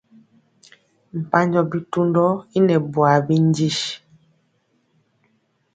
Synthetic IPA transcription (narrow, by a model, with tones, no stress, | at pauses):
m̩˨pa˦ɲd͡ʒɔ˦bi˦tu˦ndɔ˦i˦nɛ˨bwa˨bi˦n˦d͡ʒi˦ʃ